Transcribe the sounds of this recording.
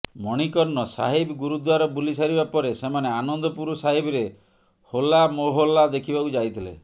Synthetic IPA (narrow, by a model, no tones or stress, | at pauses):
mɔɽ̃ikɔɾnɔsa̰ɦibɡuɾud̪waɾɔbulisaɾibapɔɾesemaneanɔnd̪ɔpuɾusaɦibɾe | holamoɦolad̪ekʰibakud͡ʒajt̪ʰilḛ